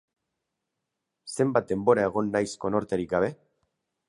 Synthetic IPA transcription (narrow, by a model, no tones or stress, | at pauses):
se̞mbat̪̚d̪e̞mbo̞ɾae̞ɣo̞nːajsko̞no̞ɾt̪e̞ɾikɡaβ̞e̞